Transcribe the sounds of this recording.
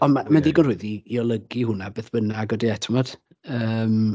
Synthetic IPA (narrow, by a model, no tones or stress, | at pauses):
ɔnmamandiːɡɔnr̥uɨðiːɔlˠəɡihʊnabeːθb̥ənaɡɔdiɛtʰəmɔd̥ | əəːm